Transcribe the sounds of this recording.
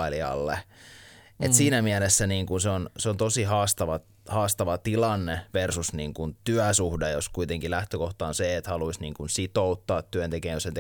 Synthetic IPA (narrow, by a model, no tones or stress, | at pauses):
liɑ̰lːḛ | ḛt̪siːnæmiɛlesːæniːŋkunseonseont̪osihɑːst̪ɑʋɑ | hɑːst̪ɑʋɑt̪ilɑnːeʋersusniːŋkunt̪yæsuhdejoskuit̪eŋkilæht̪økoht̪ɑːnseːt̪hɑluisniːŋkunsit̪out̪ːɑːt̪ːyønt̪ekeːnjosent̪